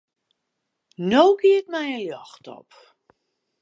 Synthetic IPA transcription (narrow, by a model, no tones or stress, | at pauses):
nowɡiət̚mɛjəljɔxtɔ̰p